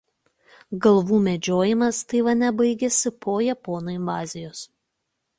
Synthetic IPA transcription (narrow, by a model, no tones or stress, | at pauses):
ɡɐlˠʋuːmʲɛd͡ʒʲoːjɪmɐst̪ɐɪʋɐnʲɛbɐɪɡʲɛsʲɪpʰoːjɛpɔːnoːɪmʋɑːzʲɪjoːs